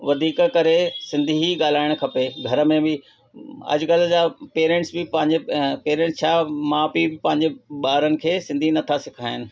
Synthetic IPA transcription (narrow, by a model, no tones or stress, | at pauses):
ʋɐd̪ʱiːkkɐɾesɪ̃nd̪ʱiiɠaːl̤aːɪɽ̃kʰɐpeɡʱɐɾə̆mẽbɪ | ɐ̰d͡ʑkɐl̤d͡ʑaːpeːɾẽːɳʈsbɪpɐ̃ɦɪ̃ɲd͡ʑepeːɾẽːɳʈst͡ɕʰaːmãːpibɪpɐ̃ɦɪ̃ɲd͡ʑeɓaːɾənɪ̆kʰeːsɪ̃nd̪ʱinɐt̪ʰasɪkʰaːɪnɪ̆